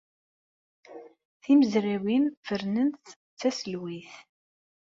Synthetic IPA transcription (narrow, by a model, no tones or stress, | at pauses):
θiməzɾæwinfəɾnənθ | t͡sːæsəlwiθ